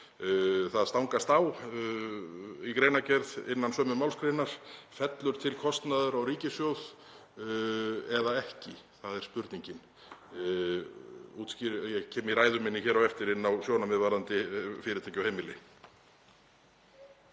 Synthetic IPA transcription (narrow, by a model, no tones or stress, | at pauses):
θaðst̪awŋkast̪aw | ikɾeːjnacɛɾðɪnːansœːmʏmawlskɾenːaɾ̥fɛt̪lʏɾ̥t̪ʰɪlkʰɔst̪naðʏɾawɾiːcɪsjowð | ɛðaɛhcɪθaðɛɾspʏɾt̪niɲcɪn | uːt̪sciɾjɛɣcʰɛːmiɾaːjðʏmɪnːɪçɛːɾawɛft̪ɪɾɪnːawsjownamɪðvaɾðant̪ɪfɪːɾɪt̪ʰɛjcawhejmɪlɪ